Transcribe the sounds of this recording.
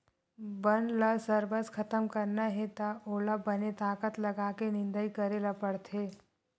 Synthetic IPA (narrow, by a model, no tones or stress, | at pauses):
bənlasəɾbəskʰɐt̪əmkəɾnaɦɛt̪aoːlabɐnet̪aːkət̪lɐɡakenɪ̃nd̪əikɐɾelapəɽt̪ʰeː